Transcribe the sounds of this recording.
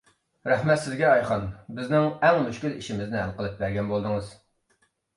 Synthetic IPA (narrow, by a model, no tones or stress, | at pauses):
ɾɛhmɛt̪sɪzɡʲɛɑjχɑnbɪznɪŋɛŋmyʃkʲyliʃimɪznɪɦælqəlˠɨp̚bæɾɡʲɛnbolˠd̪ɨŋɨz̥